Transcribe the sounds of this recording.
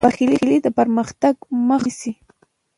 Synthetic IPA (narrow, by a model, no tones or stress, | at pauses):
aχɪlɪɪlɪt̪apaɾmɑχt̪akʊmɑχɪsɪ